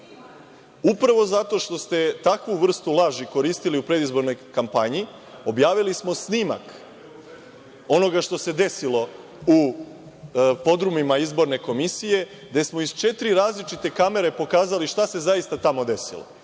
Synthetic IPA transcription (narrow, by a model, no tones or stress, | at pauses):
upɾaʋo̞zat̪o̞ʃt̪o̞st̪e̞t̪akʋuʋr̩st̪ulˠaʒiko̞ɾiːst̪iliupɾe̞d̪izbo̞ɾno̞jkampaɲi | o̞bjaːʋilismo̞snima̰k | o̞no̞ɡaʃt̪o̞se̞d̪e̞silˠo̞ | u | po̞d̪ɾumimaizbo̞ɾne̞ko̞misije̞ | d̪e̞smo̞izt͡ʃe̞t̪ɾiɾaːzlit͡ʃit̪e̞kame̞ɾe̞po̞kaːzaliʃt̪ase̞zaist̪at̪amo̞d̪e̞sḭlo̰